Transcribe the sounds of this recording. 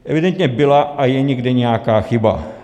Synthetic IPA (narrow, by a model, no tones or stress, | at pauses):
ʔɛvɪdɛnt̪ɲɛbɪlaʔajɛɲɛɡdɛɲɛjakaːxɪba̰